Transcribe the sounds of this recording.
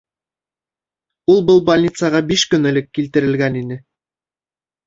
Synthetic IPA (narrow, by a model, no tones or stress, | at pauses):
ulˠbɤlˠbɐlʲnʲit̪sɑʁɑbiʃkɵ̆nɘ̆lɘkːilt̪ɘ̆ɾɘ̆lɡæninɘ